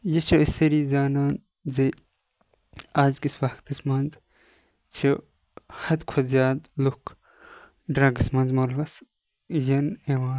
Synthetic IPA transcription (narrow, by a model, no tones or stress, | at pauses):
jɐt͡ʃʰɐisɐɾiːzaːnaːn | ze | aːzɡisbakt̪ɐsmɐnz | t͡ʃʰi | hɐd̪kʰɐzjaːd̪lukʰ | ɖɾaɡɐsmɐnzmɐlʋɐs | jɐnewaː